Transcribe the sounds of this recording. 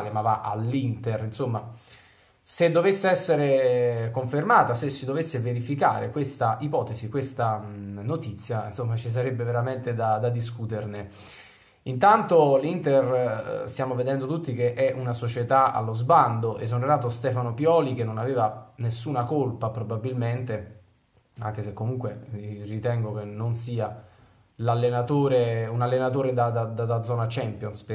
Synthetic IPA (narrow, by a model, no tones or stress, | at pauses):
lemavaʔa̰lːint̪erinsomːa | sed̪ːovesːeɛsːeɾekoɱfermaːt̪asesːid̪ovesːeveɾifika̰ːɾʔekwest̪aʔipɔːt̪esikwest̪anot̪it̪sːjaḭnsomːat͡ʃis̬aɾebːeveɾament̪ed̪ad̪ad̪iskut̪erne | int̪ant̪olint̪erst̪jaːmoved̪ɛnd̪ot̪ut̪ːik̟eʔɛʔunasot͡ʃet̪aa̰lːozband̪oʔḛs̬oneɾaːt̪ost̪ɛfanopjɔːlikenːonaveːvanesːunakolpapɾobabːilment̪e | a̰ŋk̟esekːomuŋkwerit̪ɛŋɡok̟enonsiːa | lalːenat̪oːɾeunalːenat̪oːɾed̪ad̪ad̪ad̪ad̪zɔːnat͡ʃɛmpjonsp